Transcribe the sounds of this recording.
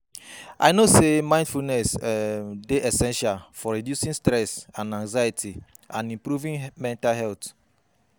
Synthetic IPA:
ʔa̰jnosemãɪ̃ndfulnɛs | deʔɛsɛ̃nʃalfɔɹidjusĩnstɹɛsãnãŋzajitʰi | ʔãnĩmpɾuvĩnmɛ̃ntalɦɛlt̪

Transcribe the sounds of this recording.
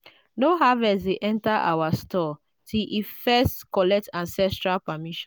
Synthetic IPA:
noɦavɛsdeʔɛ̃ntaʔa̰wastɔ | tiʔifɛstkɔlɛk̚tãnsɛstɹalpamiʃɔ̃

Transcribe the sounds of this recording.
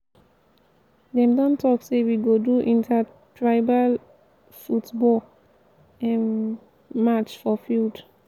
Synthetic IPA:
dɛ̃mdɔ̃ntɔksewiɡoduʔĩntʰa | tʰɹaɪbal | futbɔl | ɛ̃n | mat͡ʃfɔfild

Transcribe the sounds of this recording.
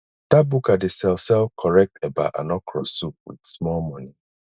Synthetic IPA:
d̥abukadesɛlsɛlkʰɔɹɛk̚teba̰ʔa̰nɔkʰɾɔsup̚wḭdsmɔlmɔ̃ni

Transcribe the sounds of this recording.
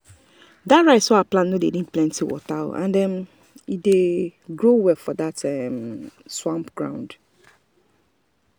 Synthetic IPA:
datɹaɪtsɔaplãnːodedĩn̩plɛ̃ntʰiwɔ̰taã̰ndɛ̃n | ideɡɹowɛfɔdatɛmswãmpɡ̥ɹã̰ʊ̃nd

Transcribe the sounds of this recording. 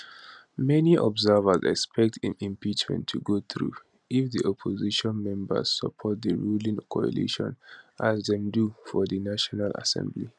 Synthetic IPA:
mɛniʔɔbzɛvəzɛ̰kspʰɛk̚tʰĩmĩmpit͡ʃmɛ̰̃ntʰːuɡoθɹu | ifðiʔɔpʰɔziʃɔ̃nmɛ̃mbə̰z̥səpʰɔt̚d̪əɹulĩŋkʰɔə̰lḭʃɔ̰̃nʔazðɛ̃mdufɔðənaʃɔnala̰sɛ̰̃mbli

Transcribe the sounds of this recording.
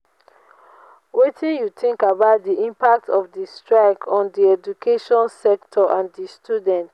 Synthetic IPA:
wetʰĩnjutĩŋkabaʊt̚diʔĩmpak̚tɔfdistɹaɪkʰɔ̃ndiɛd͡ʒukʰeʃɔ̃nsɛk̚tʰɔʔãndistʰjudɛ̃nt

